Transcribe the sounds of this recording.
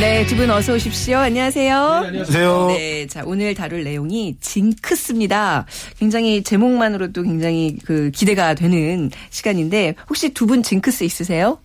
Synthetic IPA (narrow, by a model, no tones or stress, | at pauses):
ne̞tɯbɯnʌsʰʌuɕʰip̚ɕ͈ijoaɲʌwasʰe̞josejone̞t͡ɕaonɯɭtaɾɯɭːe̞joŋit͡ɕiŋkʰɯs͈ɯmɲidakwe̞ŋd͡ʑaŋɦit͡ɕe̞moŋmanɯɾot͈okwe̞ŋd͡ʑaŋɦikɯkide̞ɡadwe̞nɯnɕʰiɡaɲinde̞hok̚ɕ͈itubunt͡ɕiŋkʰɯs͈ɯis͈ɯsʰe̞jo